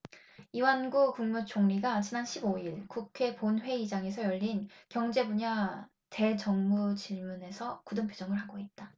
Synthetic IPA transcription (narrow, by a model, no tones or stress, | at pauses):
iwanɡukuŋmut͡ɕʰoŋɲiɡat͡ɕinanɕʰiboiɭkukʰe̞ponɸwe̞id͡ʑaŋe̞sʰʌjʌʎːinkjʌŋd͡ʑe̞buɲa | te̞t͡ɕʌŋmut͡ɕiɭmune̞sʰʌkudɯmpʰjod͡ʑʌŋɯɭɦaɡoit̚t͈a